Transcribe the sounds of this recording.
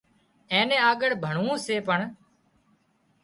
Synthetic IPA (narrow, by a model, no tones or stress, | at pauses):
ẽːnẽːaːɠəɽbʱəɳ̤ũːseːpəɳ